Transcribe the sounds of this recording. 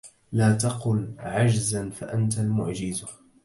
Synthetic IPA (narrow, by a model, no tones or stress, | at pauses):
laːt̪ɑqʊlʕad͡ʒzanfaʔant̪almʊʕd͡ʒɪzʊ